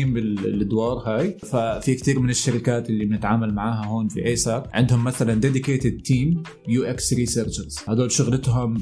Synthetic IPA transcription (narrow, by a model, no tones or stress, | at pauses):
iːmbɪllʔad̪wɑːɾˤhaːjfafikt̪iːɾmɪnɪʃːaɾɪkaːt̪ɪlːibnɪt̪ʕaːmalmaʕaːɦaɦoːnfḭʔeːsɑʕɪ̰nd̪hʊmːaθaland̪ed̪ɪkeːt̪ɪd̪̚t̪iːm | juːʔeksɾiːseːɾt͡ʃɪɾz̥had̪oːlʃʊɣlɪt̪ɦʊm